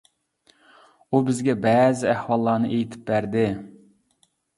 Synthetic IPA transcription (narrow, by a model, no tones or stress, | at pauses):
ubɪzɡʲɛbɛzɪæhwɑlˠːɑnɨʔejt̪ʰɪ̥p̚bæɾd̪ɪ